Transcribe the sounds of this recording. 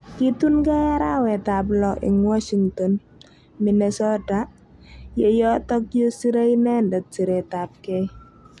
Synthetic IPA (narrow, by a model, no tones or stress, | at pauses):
kit̪unkajaɾawɛt̪ablɔʔɪ̰ŋwɔʃiŋt̪ɔn | minɛsɔta | jejɔt̪ɔk̚josiɾeinɛndət̪̚d͡ʒ̥iɾɛt̪ap̚kɛ